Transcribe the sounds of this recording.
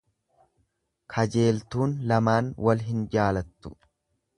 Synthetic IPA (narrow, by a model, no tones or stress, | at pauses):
kʰɐd͡ʒe̞ːlt̪uːnlɐmaːnwʔɐlɦɪnd͡ʒaːlɐt̪ːʊ